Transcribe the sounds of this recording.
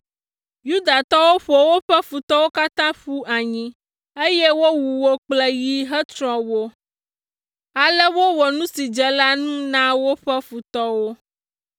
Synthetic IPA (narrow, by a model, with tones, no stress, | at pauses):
ju˦d̪a˨t̪ɔ˦wo˦ɸo˨wo˦ɸɛ˦fu˨t̪ɔ˦wo˦ka˦t̪ã˦ɸu˦ʔa˨ɲĩ˦ | e˦je˦wo˦wu˨wo˦k͡plɛ˦ji˦ɦɛ˦t̪ɾɔ̃˨wo˦ | a˨lɛ˦wo˦wɔ˨nũ˦si˨d͡ʒɛ˨la˦nũ˦nã˦wo˦ɸɛ˦fu˨t̪ɔ˦wo˦